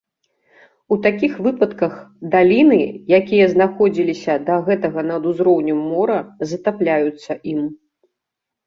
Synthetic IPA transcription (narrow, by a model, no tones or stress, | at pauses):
ut̪akʲixvɨpɐt̪kɐxd̪alʲinɨjakʲijɐznaxɔd͡zʲilʲisʲɐd̪ɐɣɛt̪ɐɣɐnɐd̪uzɾɔwnʲɛmːɔɾɐzɐt̪aplʲajut̪sːɐʔim